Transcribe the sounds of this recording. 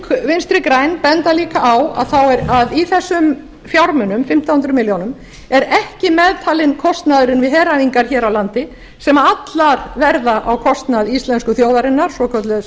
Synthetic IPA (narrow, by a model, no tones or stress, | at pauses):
kʰvɪnst̪ɾɪkɾaːjnpɛnt̪aliːkaʔawa̰ðθawɛɾaðiθɛsːʏm | fjawɾmʏnʏmfɪm̥t̪ahʏnt̪ɾʏmɪljownʏm | ɛɾɛhcɪmɛðt̪ʰaːlɪnkʰɔst̪naðʏɾɪnvɪðɦɛːɾaviŋkaɾ̥çɛːɾawlant̪ɪ | sɛmaat̪laɾvɛɾðaʔawkʰɔst̪naðist̪lɛnskʏθjoːwðaɾɪnːaɾ̥sɔkʰœt̪lʏ